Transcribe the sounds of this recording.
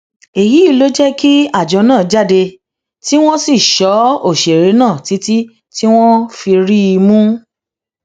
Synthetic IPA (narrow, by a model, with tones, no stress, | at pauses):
e˨ji˨˦i˦˧lo˦d͡ʒɛ˦ki˦a˦˨d͡ʒɔ˨˧˦nãː˦˨d͡ʒa˦˨de˧ | ti˦w̃ɔ̃˦si˦˨ʃɔ˨˦o˦˨ʃe˨ɾe˨˦nãː˦˨ti˨˦ti˦ | ti˦w̃ɔ̃˦fi˧ɾi˦i˧mũ˦